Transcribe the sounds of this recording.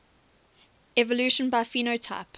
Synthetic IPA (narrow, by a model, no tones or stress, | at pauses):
ɛvəlʉˑʃə̃nbaɪfiːnoʊtʰa̰ɪp